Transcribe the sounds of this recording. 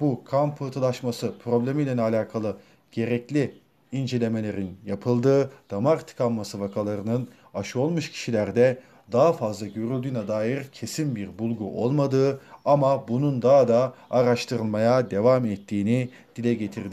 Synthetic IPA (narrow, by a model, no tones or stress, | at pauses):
bukʰampʰːɯt̪ʰɯlˠaʃmasɯpʰɾo̞blʲe̞milʲɛnalʲaːkʰalˠɯ | ɟ̥e̞ɾɛclʲi | ind͡ʒe̞lʲe̞me̞lʲe̞ɾinjapʰɯlˠd̪ɯːd̪̥amaɾt̪ʰɯ̥kʰamːasɯvakʰalˠaɾɯnɯn | aʃɯo̞lˠmuʃcʰi̥ʃilʲæɾd̪ɛ | d̪aɦafazlˠaɟø̞ɾylʲd̪yːnɛd̪aːjiɾcʰe̞sinbiɾbulˠɡuʔo̞̰lˠmad̪ɯːamabunund̪aɦd̪aːɾaʃt̪ʰɯɾɯlˠmajad̪e̞vamɛt̪ʰːiːni | d̪̥ilʲɛɟe̞t̪ʰiɾd̪ɪ